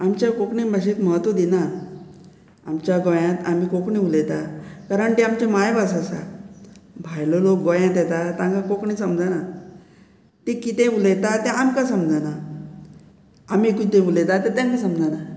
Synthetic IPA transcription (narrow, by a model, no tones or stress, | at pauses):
amt͡ɕjakokɳibʱəɕet̪məɦət̪ʋod̪ina | amt͡ɕjaɡojãt̪amikokɳĩulet̪akaɾəɳt̪iamt͡ɕemajbasasa̰ | bʱajlolok̚ɡojãt̪ɛt̪at̪ãŋkakokɳisəmd͡zana | t̪ikit̪ẽulet̪at̪ɛ̃amkasəmd͡zana | amikit̪ẽulet̪at̪et̪jãŋkasəmd͡zana